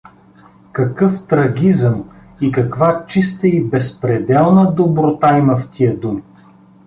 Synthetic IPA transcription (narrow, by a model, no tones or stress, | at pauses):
kɐkɤft̪ɾɐɡʲizəm | ikɐkvat͡ʃist̪əibɛspɾɛd̪ɛlˠnəd̪obɾot̪aimɐft̪ʲʰiəd̪um